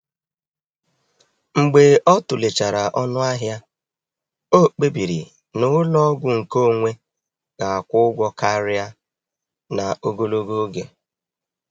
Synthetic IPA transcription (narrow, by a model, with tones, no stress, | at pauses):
ŋ͡m̩˨ɡ͡be˨ʔɔ˦tʊ˨le˨t͡ʃa˨ɾa˨ʔɔ˦nʊ˦a˦ɦja˦ | o˦˨k͡pe˦bi˨ɾḭ˨ | nʊ˦lɔ˦ɡʷʊ˨ŋ̩˨ko˦˨ŋʷe˦ | ɡa˨a˨kʷʊ˦ɡʷɔ˦ka˦ɾɪ˦a˦ | na˨o˦ɡo˦lo˦ɡo˦ɡe˨